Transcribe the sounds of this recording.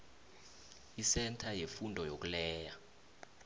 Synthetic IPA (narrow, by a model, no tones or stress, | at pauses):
isɛntʰajefundʱɔjok̬ulɛːja